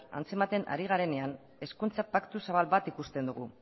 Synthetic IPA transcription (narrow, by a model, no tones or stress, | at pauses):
a̰nt͡semat̪e̞na̰ɾiɣ̞aɾe̞ne̞an | e̞skunt͡sapakt̪usaβalβat̪ikust̪e̞nd̪uɣ̞u